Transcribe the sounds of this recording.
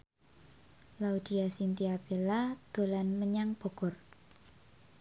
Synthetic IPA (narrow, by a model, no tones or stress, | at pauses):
laud̪̥i̤asint̪iab̥elad̪̥o̤lanməɲaŋb̥o̤ɡ̥ɔ̤r